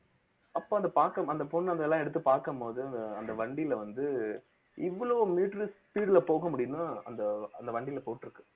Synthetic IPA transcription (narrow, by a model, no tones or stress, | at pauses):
ɐpːoːɐnd̪ɐpaːɾkɐmɐnd̪ɐpɔɳːɐnd̪ɐlːãːɛɽɯt̪ːɯpaːɾkɐmpoːðɯɐnd̪ɐɐnd̪ɐʋɐɳɖɪɪlʋɐnd̪ɯ | ɪʋːɐɭoːmiːʈɾɯspiːɽlɐpoːɣɐmʊɽɪjɯnːaːɐnd̪ɐɐnd̪ɐʋɐɳɖɪɪlɐpoːʈːɪɾɯkːɯ